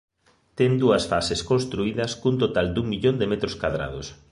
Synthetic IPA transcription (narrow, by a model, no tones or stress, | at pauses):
t̪ɛŋd̪uɐsfaseskonst̪ɾuiðɐskunt̪̬ot̪ald̪uŋmiʎond̪emɛt̪ɾoskaðɾa̰ð̞o̰s